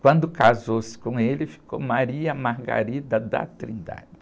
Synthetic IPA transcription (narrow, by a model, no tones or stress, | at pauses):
kwɐ̃nd̪ʊkazowsɪ̥kõelɪfi̥ko̰maɾiɐmaɾɡa̰ɾid̪ɐd̪a̰t̪ɾĩnd̪a̰d͡ʒɪ